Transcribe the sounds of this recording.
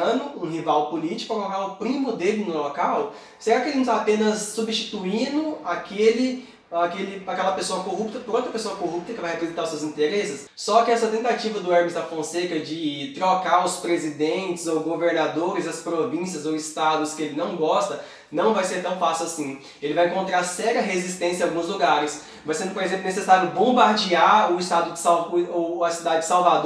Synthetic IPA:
ɐ̃nʊũɦivawpʊlit͡ʃi̥kʊɛw̃lokawpɾĩmʊd̪elɪnʊlokaw | seɾakɪelɪnũt̪apẽnɐsːubist͡ʃi̥t̪uĩnʊakelɪ | akelɪakɛlɐpesoɐkoɦup̚t̪ɐpʊɾõt̪ɾɐpesoɐkoɦup̚t̪ɐkɪvajhepɾezeĩt̪aʊsewzĩnt̪eɾesɪsːɔkɪɛsɐt̪ẽnt̪at͡ʃivɐd̪ʊɛɾmist̪afõsekɐd͡ʒɪt̪ɾokaɾʊspɾezid̪ẽnt͡ʃɪzowɡoveɾnad̪oɾɪzɐspɾovĩsiɐzowɪst̪ad̪ʊskɪelɪnɐ̃w̃ɡɔst̪ɐ | nɐ̃w̃vajseɾt̪ɐ̃w̃fasiwasĩ | elɪvajẽŋkõnt̪ɾaɾsɛɾɐɦezist̪ẽsjɐ̃awɡũzluɡaɾɪs | vajsẽnd̪ʊpoɾezẽmplʊnesesaɾjʊbõmbaɾd͡ʒiaɾʊist̪ad̪ʊd͡ʒɪsawoɐsid̪ad͡ʒɪd͡ʒɪ̥sawvad̪

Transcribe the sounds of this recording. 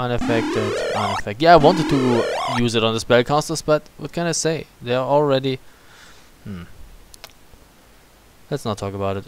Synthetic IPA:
ʔʌ̃nɨfɛk̚tɪvdʌ̃nɨfɛk̚tjæaɪwɑ̃ntɨd̚tʰɨjuzɨɾn̩ðəspɛlˠkʰɑsəl̩ˠsb̥ʌt̚wʌ̰t̚kʰɛ̃ñaɪseɪðəəɔl̩ˠɹɛɾi | m̥m̩ | lɛtsnətʰːɔkəbaʊɾɨt

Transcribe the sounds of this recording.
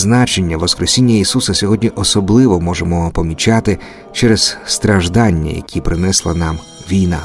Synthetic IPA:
znɑt͡ʃenʲːɐʋɔskɾesʲinʲːɐisusɐsʲɔɦɔdʲnʲiʔɔsɔblˠɪʋɔmɔʒemɔpɔmʲit͡ʃɑt̪ɪ | t͡ʃɛɾɛz̥st̪ɾɐʒd̪ɑnʲːɐ̰jɐ̰kʲʰipɾɪnɛslˠɐnɑm | ʋʲijnɑ̰

